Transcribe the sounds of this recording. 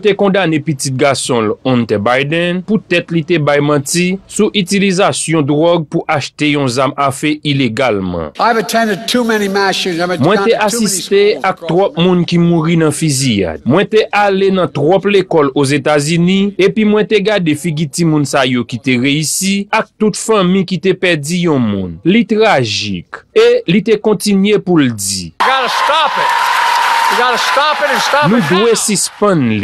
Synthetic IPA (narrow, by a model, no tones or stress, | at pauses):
t̪ekɔ̃d̪anepitit̪̚ɡasɔ̃lɔ̃nt̪ɛbajdɛ̃nput̪ɛt̪lit̪ebajmãtisuʔytilizasjɔ̃d̪ʁɔɡ̚puʔaʃt̪ejɔ̃zamafɛʔileɡalmʌ̰̃aɪvɨtʰɛ̃ndɪd̚tʰumɛnimæʃɨ̃zãɪmw̃ɛ̃teʔaist̪eak̚t̪ʁɔp̚mũnkimũʁinɐ̃fizia̰dmwɛ̃t̪eʔalenɐ̃t̪ʁɔplekɔlozet̪azynĩepimwɛ̃t̪eɡadefiɡitimũnsajokit̪eʁeysiak̚t̪ut̪fɐ̃mĩkit̪epɛdijɔ̃mṵ̃nlit̪ʁaʒḭkelit̪ekɔ̃tinɥepuld͡ziɡadʃt̪ap | bɡadʃt̪apʃt̪anũd̪wesispɐ̃nli